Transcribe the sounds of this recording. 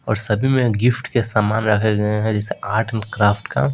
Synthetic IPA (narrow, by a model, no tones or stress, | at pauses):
ɔ̰ːɾsɐbʱimẽɡɪfʈkesaːmaːnɾɐkʰeɡɐeɦɛ̃d͡ʒɛːseʔaːɾʈʰənkɾaːfʈka̰